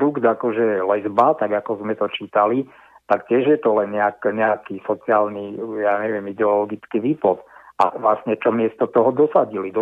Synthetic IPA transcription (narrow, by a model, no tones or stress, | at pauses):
ɾuɡd̪akɔʒɛlɛzbat̪aɡakɔzmɛt̪ɔt͡ʃiːt̪ali | t̪aktɪɛʒjɛt̪ɔlɛnɲɛakɛɲɛakisɔt͡siaːlnijaːɲɛʋɪɛmid̪ɛɔlɔɡit͡skiʋiːplɔt̪ʔa̰ʋlasɲɛt͡ʃɔmɪɛst̪ɔt̪ɔɦɔd̪ɔsaɟilid̪ɔ